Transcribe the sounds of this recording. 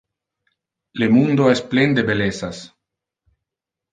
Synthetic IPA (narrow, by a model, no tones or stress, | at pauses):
lemund̪oɛsplend̪ebelesas